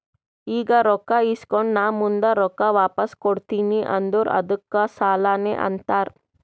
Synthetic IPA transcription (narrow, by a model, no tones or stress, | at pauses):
iːɡaɾɔkːaiːskɔɳnaːmund̪ɐɾɔkːaʋaːpɐskoɽt̪iniʔɐ̰nd̪uɾɐ̰d̪ukːɐsaːlaːnḛːʔɐ̰nt̪aːɾ